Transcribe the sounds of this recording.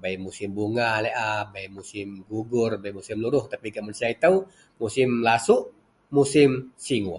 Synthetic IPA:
baimusɪmbuŋalɛʔabaimusɪmɡuɡʊrbaimusimluɾʊht̪apiɡaʔmansiait̪au | musɪmlasuʔ | musɪmsiŋu

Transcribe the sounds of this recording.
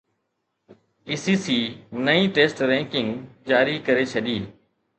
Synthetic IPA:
iːsiːsiːnəĩːʈeːsʈɾɛ̃ːŋkɪ̃ŋɡd͡ʒaːɾikəɾet͡ʃʰɐɗiː

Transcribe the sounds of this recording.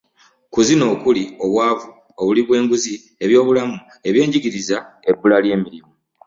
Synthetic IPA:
kuzino̞ːkulio̞βwaːvu | o̞βuliβwe̞ːŋɡuzi | e̞βjo̞ːβulamu | e̞βje̞ːɲɟiɡiɾiza | e̞bːulalje̞ːmiɾimo

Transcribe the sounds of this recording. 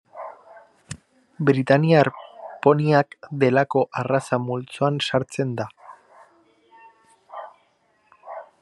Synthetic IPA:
bɾit̪aniaɾpo̞niakd̪e̞lako̞ʔarasamult͡soansaɾt͡se̞nd̪a

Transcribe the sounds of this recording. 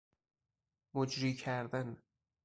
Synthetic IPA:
mod͡ʒɾiːcʰæɾd̪æn

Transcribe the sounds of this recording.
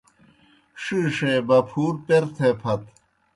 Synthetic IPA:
ʂiːʂeːbɐpʰuːɾpeɾt̪ʰepʰɐt̪

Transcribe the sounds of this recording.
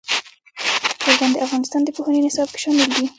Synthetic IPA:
kaɾɡ̪ɑnd̪əʔafɣɑnɪst̪ɑnd̪əpohanənɪsɑb̚ke̥ʃɑmɪld̪i

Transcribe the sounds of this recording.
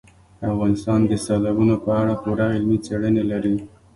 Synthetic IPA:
afɣɑnɪst̪ɑnd̪əsalabunopəaɽakuɾaɪlmit͡seɽənelaɾi

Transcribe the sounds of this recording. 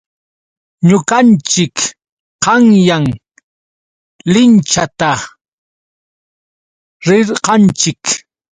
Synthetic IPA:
ɲʊkant͡ʃɪk | qɑŋjaŋ | lɪnt͡ʃat̪a | ɾɪɾqɑnt͡ʃɪk

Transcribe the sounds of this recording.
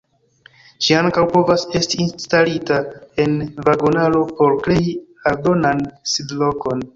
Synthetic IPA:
ʃiaŋkawpo̞vase̞stiːnstalitae̞nvaɡonalo̞po̞ɾkɾe̞jialdo̞nansidlo̞ko̞n

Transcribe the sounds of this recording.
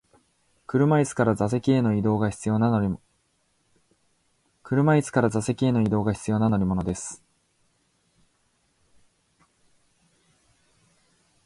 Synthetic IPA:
kɯ̟ɾɯ̟mait͡sɨ̥kaɾazas̬e̞kʲie̞no̞id̪o̞ːɡaçi̥t͡sɨjo̞ːnanoɾʲi | kɯ̟ɾɯ̟mait͡sɨ̥kaɾazase̞kʲie̞no̞id̪o̞ːɡaçi̥t͡sɨjo̞ːnanoɾʲimo̞no̞d̪e̞sɨ̥

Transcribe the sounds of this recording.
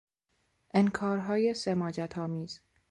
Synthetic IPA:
ʔenkʰɒːɾɦɒːjesemɒːd͡ʒæt̪ʰɒːmiːz̥

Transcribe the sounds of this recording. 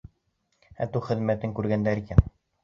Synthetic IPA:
æ̰t̪uχɘ̆ðmæt̪ɘŋkʉɾɡænd̪æɾikæn

